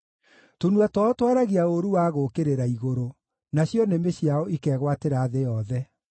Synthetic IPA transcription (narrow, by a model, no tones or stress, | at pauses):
tonwatɔtwaɾaɣiaoɾuwaɣokeɾeɾaiɣoɾo | naɕjɔnemeɕiaɔʔikɛːɣwateɾaːðejɔðɛ